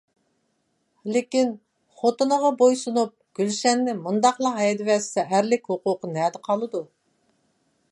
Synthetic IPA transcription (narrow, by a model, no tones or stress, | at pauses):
lɪkʲin | χot̪ɨnəʁɑbojsunup̚ɡ̥ʲylʃɛnːɪmund̪ɑχlˠɑɦɑjɛd̪ɪvɛssɛɦæɾlɪkʲhoqʊqənɛːd̪ɨqʰɑlˠɨd̪u